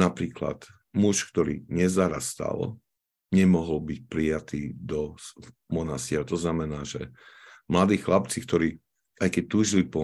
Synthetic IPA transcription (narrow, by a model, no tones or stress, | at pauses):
napɾiːkla̰t̪ | muʃkt̪ɔɾḭːɲɛzaɾast̪a̰l | ɲɛmɔɦɔlbic̚pɾijat̪iːd̪ɔ | mɔnasiɾat̪ɔznamɛnaːʒɛ̰mlad̪iːxlap̚t͡sikt̪ɔɾiː | ajkɛc̚t̪uːʒilipɔ